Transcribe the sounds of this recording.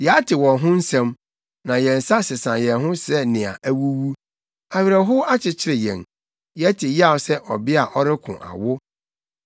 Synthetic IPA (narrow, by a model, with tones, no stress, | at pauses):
jɛ˨a˦tʰɪ˨wɔ̃˨ɦʊ̃˦n̩˦sɛ̃˦m | nã˨jɛ̃˨n̩˨sa˦sɪ˨sã˨jɛ˨nɦʊ̃˦sɛ˦nɪ̃˨a̰˨ʔæ˦wu˦wu˦ | a˨ɥɪ˨ɾɛ˨ɦʊ˦a˦t͡ɕʰɪ˨t͡ɕʰɪ˦ɾɪ˨jɛ̰̃˨n | jɛ˦tʰɪ˨jɪ˦a˦˨ʊ˦sɛ˦ʔɔ̰˨bɪ˦a˨ʔɔ˦ɾɪ˦kʰʊ̰̃˨ʔa̰˨wʊ˦